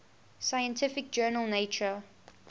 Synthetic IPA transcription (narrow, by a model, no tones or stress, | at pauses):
saɪjə̃ntʰɪfɪk̚d͡ʒɜːnəlˠneɪt͡ʃə